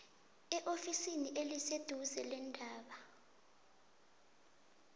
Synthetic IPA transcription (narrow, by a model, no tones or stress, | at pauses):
ɛʔofisiniʔelised̥ʱuzɛlɛndʱaːɓa